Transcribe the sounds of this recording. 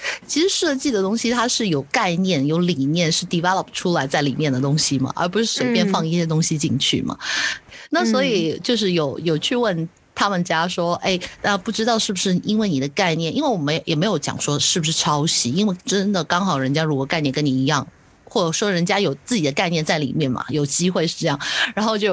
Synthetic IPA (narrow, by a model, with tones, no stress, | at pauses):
t͡ɕʰi˧˥ʂɻ̩˧˥ʂɤ˥˧t͡ɕi˥˩d̪ə˩t̪ʊ˥ŋɕi˧t̪ʰa˥ʂɻ̩˥˩jo˨˩ʊka˥˧ɪnjɛ˥˩njo˧˥ʊli˨˩njɛ˥˧nʂɻ̩˥˧t̪i˥˩pa˥lɑ˨˩ʊ˩ʈ͡ʂʰu˥la˧˥ɪt͡sa˥˩ɪli˨˩mjɛ˥˩nd̪ə˩t̪̬ʊ˥ŋɕi˨mɐ̰˩ʔə̰˞˧˥p̬u˧˥ʂɻ̩˥˩ʂe˨˥ɪpjɛ˥˧nfɑ˥˧ŋi˥˩ɕjɛ˥t̪ʊ˥ŋɕi˨˧t͡ɕi˥˧ŋt͡ɕʰy̰˥˩mɐ̰˩na˥˩swɔ˧˥i˨˩t͡ɕjo˥˧ʊʂ̬ɻ̩˥˩jo˨˩˦ʊjo˨˩ʊt͡ɕʰy˥˧wə˥˩n | t̪ʰa˥mə˨nt͡ɕja˥ʂwɔ˥ʔe˥˩ɪt̪a˥˧pu˥˩ʈ͡ʂɻ̩˥t̪ɑ˥˧ʊʂɻ̩˥˩bu˩ʂɻ̩˥˩i˥nwe˥˩ɪni˨˩d̪ə˦ka˥˧ɪnjɛ˥˩nʔi˥nwe˥˩wɔ˨˩m˧˥jjɛ˨˩me˧˥ɪjo˧˥ʊt͡ɕjɑ̰˨˩ŋʂwɔ˥ʂɻ̩˥˩bu˩ʂɻ̩˥˩ʈ͡ʂʰɑ˥ʊɕi˧˥i˥nwe˥˧ɪʈ͡ʂə˥nd̪ə˨kɑ˥ŋxɑ˨˩ʊɻə˧˥nt͡ɕja˥ɻu˧˥kwɔ˨˩ka˥˧ɪnɛ˥˩nŋkə˥ni˨˩i˧˥jɑ˥˩ŋ | xwɔ˥˩ʈ͡ʂə˨˩ʂwɔ˥ɻə˧˥nt͡ɕja˥jo˨˩ʊt͡sɹ̩˥˩t͡ɕi˨˩d̪ə˦ka˥˧ɪnjɛ˥˧nt͡sa˥˩ɪlḭ˨˩mjɛ˥˩nmɐ̰˨˩jo˨˩ʊt͡ɕi˥xwe˥˧ɪʂɻ̩˥˧ʈ͡ʂɤ˥˧jɑ˥˩ŋɻa˧˥nxo˥˧ʊt͡ɕjo˥˧ʊ